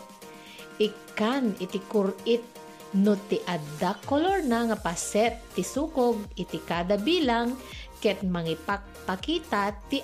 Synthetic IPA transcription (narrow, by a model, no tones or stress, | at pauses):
ʔɪkanɪt̪ɪkʊɾʔɪt̪̚ | not̪ɪʔad̪akoloɹnaŋapasɛt̪ːɪsuːkoɡ̚ɪt̪ɪkad̪abiːlaŋkɛt̪̚mɐŋɪpak̚pakiːt̪at̪ɪ